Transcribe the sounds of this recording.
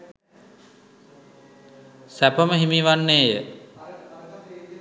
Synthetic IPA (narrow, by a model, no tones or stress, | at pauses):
sæpəməɦimiʋanːeːjə